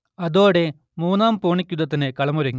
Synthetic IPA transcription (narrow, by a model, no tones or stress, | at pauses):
ɐðo̞ːɽe | muːnːaːmpoːɳikʲːuðɐt̪̬ːinɨkɐɭɐmuɾɐŋːi